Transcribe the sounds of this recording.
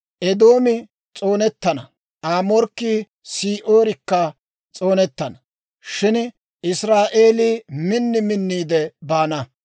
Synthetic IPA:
ʔɛd̪oːmɪ | t͡sʼo̞ːnɛt̪ːɐnɐ | aːmɔɾkːiː | siːʔoːɾɪkːɐ | t͡sʼo̞ːnɛt̪ːɐnɐ | ʃɪn | ɪsɾaːʔe̞ːliːmɪnːɪmɪnːiːd̪ɛbaːnɐ

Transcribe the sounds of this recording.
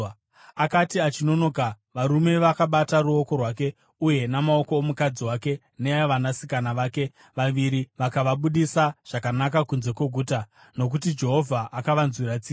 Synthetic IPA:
akatiat͡ʃino̞no̞ːka | ʋaɾume̞ʋakaɓataɾuo̞ko̞rwake̞ | uje̞namao̞ko̞ːmukad͡ziwake̞ | neaʋanasikanaʋaːke̞ | ʋaʋiɾiʋakaʋaɓuɗisaʐ̥akanak̬akunze̞kwe̞ɡʱuːta | no̞k̬utid͡ʒe̞ɦo̞vʱaʔakaʋanzwiɾat͡siː

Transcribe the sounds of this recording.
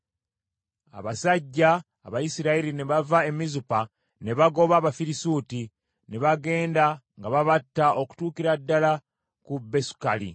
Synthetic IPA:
a̰βasaɟːaː | βajisiɾaiɾine̞βavae̞mizupa | ne̞βaɡo̞βaːβafiɾisuːti | ne̞βaɡe̞ːndaŋɡaβaβatːaʔo̞ku̥tuːkiɾadːala | kubːe̞su̥kalḭ

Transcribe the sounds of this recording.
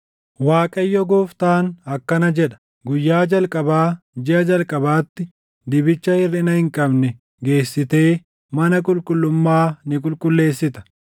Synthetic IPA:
waːkʼɐjːɔɡoːft̪aːnɐkːɐnɐd͡ʒɛᶑɐ̥ | ɡʊjːaːd͡ʒɐlkʼɐbaː | d͡ʒɪʔɐd͡ʒɐlkʼɐbaːt̪ːɪ | d̪ɪbɪt͡ʃːɐhɪrːɪnɐhɪŋkʼɐbnɛ | ɡe̞ːsːɪt̪e̞ː | mɐnɐkʼʊlkʼʊlːʊmːaːnɪk̬ʼʊlkʼʊlːe̞ːsːɪt̪ɐ̥

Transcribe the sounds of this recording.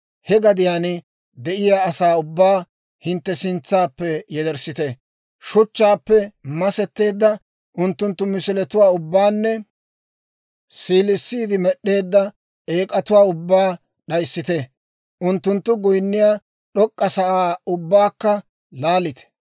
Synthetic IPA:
hɛɡɐd̪ɪjaːn | d̪ɛʔɪjaːɐsaːʊbːaː | hɪnt̪ːɛsɪnt͡sːaːpːɛjɛd̪ɛɾsɪt̪ɛ | ʃʊt͡ʃːaːpːɛmɐsɛt̪ːe̞ːd̪ːɐ | ʔʊnt̪ːʊnt̪ːʊmɪsɪlɛt̪ʊwaːʊbːaːnːɛ | siːlɪsːiːd̪ɪmɛɗːe̞ːd̪ːɐ | eːkʼɐt̪ʊwaːʊbːaː | ɗɐjsːɪt̪ɛ | ʔʊnt̪ːʊnt̪ːʊɡʊjnːɪjaː | ɗɔkʼːɐsɐʔaːʊbːaːkːɐ | laːlɪt̪ɛ̥

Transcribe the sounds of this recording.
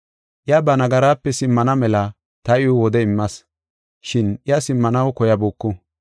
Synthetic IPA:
ʔɪjɐbɐnɐɡɐɾaːpːɛsɪmːɐnɐmɛlɐ | t̪ɐʔɪjʊwɔd̪ɛɪmːɐs | ʃɪnɪjɐsɪmːɐnɐwkɔjɐbuːkːʊ

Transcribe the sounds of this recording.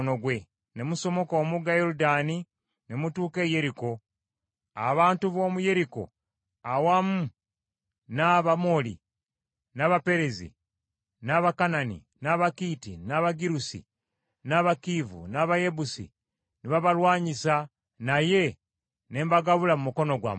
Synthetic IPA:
noɡwe̞ | nemuso̞mo̞ko̞ːmuɡajoɾudani | nemutuːke̞ːje̞ɾiko̞ | a̰βaːntuβo̞ːmuje̞ɾiko̞̰ | awamu | naβamo̞lḭ | naβape̞ɾezḭ | naβakananḭ | naβakiːtinaβaɡiɾusḭ | naβakivṵnaβaje̞busḭ | niβaβalwaːɲisa | naje̞ | ne̞ːmbaɡaβulamumuko̞no̞ɡwa̰m

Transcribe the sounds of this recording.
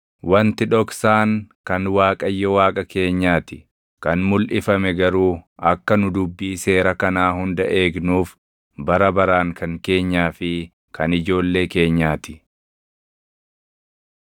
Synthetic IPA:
wɐnt̪ɪᶑɔksaːŋkɐnwaːkʼɐjːɔwaːkʼɐke̞ːɲːaːt̪ɪ | kɐnmʊlʔɪfɐmɛɡɐɾuːɐkːɐnʊd̪ʊbːiːse̞ːɾɐkɐnaːhʊnd̪ɐʔe̞ːɡnuːf | bɐɾɐbɐɾaːŋkʰɐŋke̞ːɲːaːfɪ | kʰɐnɪd͡ʒo̞ːlːe̞ːke̞ːɲːaːt̪ɪ̥

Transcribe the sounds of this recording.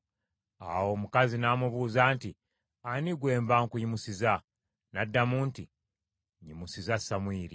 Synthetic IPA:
a̰wo̞ːmukazinaːmuβuːzaːnti | aniɡwe̞ːmbaŋkujimusiza | nadːamuːnti | ɲimusizasamwiːɾi

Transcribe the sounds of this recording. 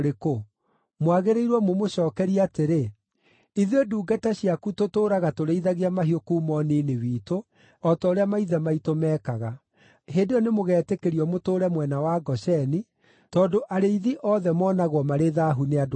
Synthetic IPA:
ɾeko | mwaɣeɾeiɾwɔmomoɕɔːkɛɾiateɾe | iðioduːɡataɕiakutotoːɾaɣatoɾeiðaɣeamaɦiokuːmɔniːnewiːto | ɔtaoɾeamaiðɛmaitomɛːkaɣa | ɦendeɔnemoɣɛːtekeɾiɔmotoːɾɛmwɛnawaɡɔʃɛni | tɔːndoʔaɾeiðiʔɔðɛmɔːnaɣwɔmaɾeðaːɦunead

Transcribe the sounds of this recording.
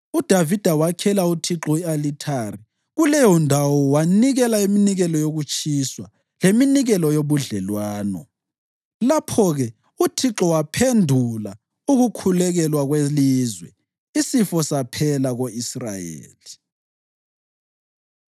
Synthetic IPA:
ud̥ʱavid̥ʱawakʰɛlautʰiǁɔialitʰari | ɣulɛjɔndʱawɔwaniɣɛlaiminiɣɛlɔjoɣut͡ʃʼiswa | leminiɣɛlɔjoβuɮɛlwaːnɔ̰ | lapʰɔɣɛ | utʰiǁɔwapʰendʱula | uɣukʰulɛɣɛlwaɣwelizwɛ | isifɔsapʰɛlaɣoisra̰jḛːli

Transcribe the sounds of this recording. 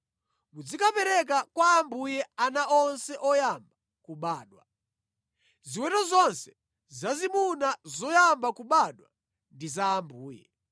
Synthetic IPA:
mud͡zikapɛɾɛk̬akwaːmbujɛanaʔɔnsɛʔɔjamba | kuɓaːɗwa̰ | ziwɛtɔzɔnsɛ̥ | zazimunazɔjambakuɓaɗwa̰ | ndizaːmbuːjɛ̰

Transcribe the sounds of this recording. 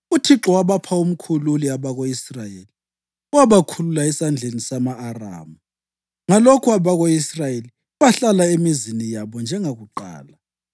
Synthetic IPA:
utʰiǁɔwaβapʰaum̩kʰululiaβaɣoisrajḛli | uwaβakʰululaɛsand͡ɮʱenisamaːra̰ːmu | ŋalokʰuaβaɣoisrajeli | βaɬalaemizinijaβɔnd͡ʒʱɛŋaɣuǃa̰ːla

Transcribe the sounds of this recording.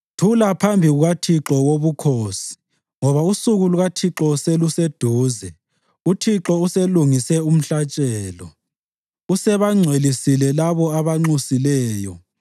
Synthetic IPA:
tʰulapʰambʱiɣuɣatʰiǁɔwoβukʰoːsi̥ | ŋɔβausuɣuluɣatʰiǁɔselused̥ʱuːzɛ | utʰiǁɔuseluŋisɛum̩ɬat͡ʃʼɛːlɔ̰ | usɛβaŋ͡ǀʱwelisilɛlaβɔaβaŋ͡ǀusilɛːjɔ

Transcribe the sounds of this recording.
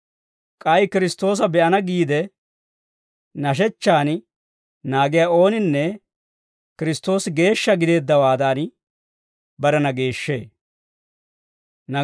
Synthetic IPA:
kʼɐjkɪɾɪst̪o̞ːs̬ɐbɛʔɐnɐɡiːd̪ɛ | nɐʃ̬ɛt͡ʃːaːn | naːɡɪjaːo̞ːnɪnːɛ | kɪɾɪst̪o̞ːsɪɡe̞ːʃːɐɡɪd̪e̞ːd̪ːɐwaːd̪aːn | bɐɾɐnɐɡe̞ːʃːe̞̰ː | nɐ

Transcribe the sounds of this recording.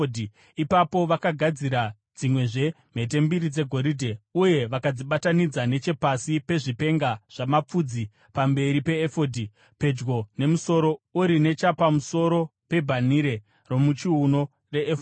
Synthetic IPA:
di | ipapo̞ʋakaɡʱad͡ziɾa | d͡zimwe̞ʐe̞ | m̤e̞t̬e̞mbiɾid͡ze̞ɡʱo̞ɾidʱe̞uje̞ʋakad͡ziɓatanid͡zane̞t͡ʃe̞pasipe̞ʐipe̞ŋɡaʐ̥amap͡fud͡zi | pambe̞ɾipe̞ːfodʱi | pe̞d͡ʒɡo̞ne̞muso̞ɾo̞uɾine̞t͡ʃapamuso̞ɾo̞pe̞bʱaniɾe̞ | ro̞mut͡ʃiuno̞ | re̞ʔːf

